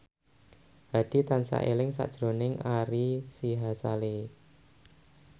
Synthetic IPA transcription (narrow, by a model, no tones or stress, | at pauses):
ha̤d̥i̤t̪ansa̰ʔelɪŋsa̰ʔd̥ʒ̥ɾo̤nɪŋaɾisiɦasale